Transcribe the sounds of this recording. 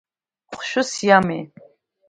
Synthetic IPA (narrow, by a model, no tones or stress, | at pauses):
χʷʃʊsjamḛ